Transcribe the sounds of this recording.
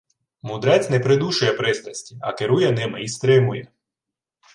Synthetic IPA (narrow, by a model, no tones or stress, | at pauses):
mʊd̪ɾɛt͡sʲnɛpɾɪd̪uʃʊjɛpɾɪst̪ɐsʲtʲiɐ̰keɾujɛnɪmɪist̪ɾɪmʊjɛ̰